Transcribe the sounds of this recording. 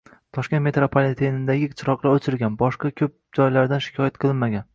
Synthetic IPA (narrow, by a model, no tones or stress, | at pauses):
t̪ʰɒʃkʲe̞nt̪me̞t̪ɾopʰalet̪ʰenɪd̪aɡʲɪqt͡ʃʰɪɾɒqlˠaɾot͡ʃʰɪlɡʲanbɒʃqɑkʲʰɵp̚d͡ʒɒjlaɾd̪anʃɪ̥kʰʲɒjat̪̚qʰɨlˠɪnmaɡʲan